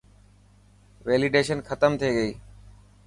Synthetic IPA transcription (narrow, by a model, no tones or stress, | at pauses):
ʋeːlɪɖeːʃənxət̪əmt̪ʰeːɡəiː